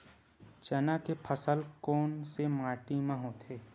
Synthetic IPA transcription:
t͡ʃənakepʰəsəlkɔːnsemaːʈimãɦot̪ʰeː

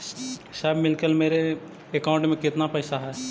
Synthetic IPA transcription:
ʃaːbmɪlkəlmeːɾe | ekaʊ̃ɳʈmẽkɪt̪napɛːsaɦɛː

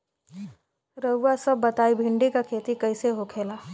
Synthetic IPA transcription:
ɾəuːasɐbːɐt̪aːibʱɪ̃ɳɖikakʰeːt̪ikɐɪseɦokʰeːlaː

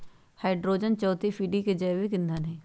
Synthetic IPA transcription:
haɪɖɾoːd͡ʒənt͡ʃɔːt̪ifʰiːɖiked͡ʒɐːʋikɪ̃nd̪ʱənɦɛ̃ː

